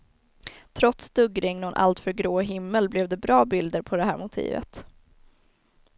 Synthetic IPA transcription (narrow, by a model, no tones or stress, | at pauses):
t̪ʰɾɔt̪sd̪ɵɡɾɪŋnɔnʔa̰lt̪fœɾɡɾoːɦɪmːəlblɛvd̪ɛbɾɑːbɪld̪əɾpʰɔd̪ɛɦæ̰ːɾmʊt̪ʰḭːvə̰t̪